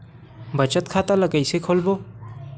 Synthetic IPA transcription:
bət͡ʃət̪̚kʰaːt̪aləkəɪsekʰoːlboː

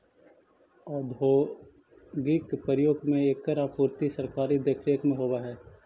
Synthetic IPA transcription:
ɔːd̪ʱoː | ɡɪkpəɾjoːɡmẽeːkːəɾaːpuːɾt̪isəɾkaːɾid̪əkʰɾeːkmẽɦoːbaɦɛː

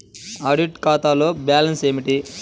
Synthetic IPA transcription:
aːɖiʈkaːt̪aːloːbjaːlɐnseːmiʈi

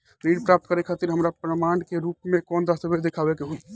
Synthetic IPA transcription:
ɾiːɖpɾap̚t̪̚kəɾekʰat̪iɾɦəmɾapɾəmaːɳɖkeɾupmekɔːnd̪asəbed̪ekʰabekeɦo

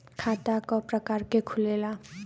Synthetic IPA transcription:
kʰat̪akɔpɾɔkaɾkekʰulela

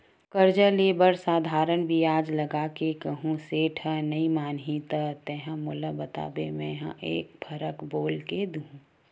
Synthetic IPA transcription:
kəɾd͡ʒəleːbəɾsaːd̪ʱaːɾənbʱiaːd͡ʒləɡakekəɦũseːʈʰənɐimaːnɦit̪ət̪ɛɦə̃moːləbət̪a̰ːbemɛ̃ɦã̰ʔeːk̚pʰɐɾəkboːlked̪uũ

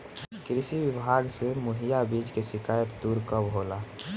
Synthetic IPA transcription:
kɾɪsiwɪbʱaːɡsemʊɦijabiːd͡ʒkeʃɪkaːjət̪d̪uːɾkəbɦoːlaː

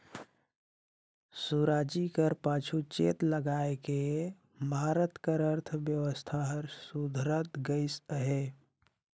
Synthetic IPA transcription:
suɾaːd͡ʒikəɾpaːt͡ʃʰut͡ʃeːt̪ləɡaːeke | mʱaːɾət̪kəɾəɾt̪ʰəbjəʋəst̪ʰaɦəɾsud̪ʱɾət̪ɡəɪsəɦe

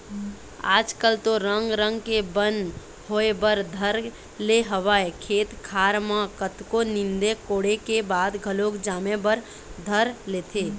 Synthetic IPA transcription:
a̰ːd͡ʒkəlt̪oɾəŋɡɾə̃ŋɡkebən | ɦoːebəɾd̪ʱəɾ | leɦəʋaːekʰeːt̪kʰaːɾmãkət̪konɪ̃nd̪ekoːɽekebaːd̪ɡʱəloːkd͡ʒaːmebəɾ | d̪ʱəɾleːt̪ʰeː

